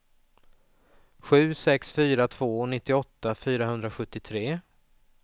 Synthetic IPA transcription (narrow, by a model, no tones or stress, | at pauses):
ɧʉ̟ːsɛksfyːɾat̪ʰv̥oːɔnɪt̪ːɪɔt̪ːafyːɾaɦɵnd̪ɾaɧɵt̪ːɪt̪ʰɾeː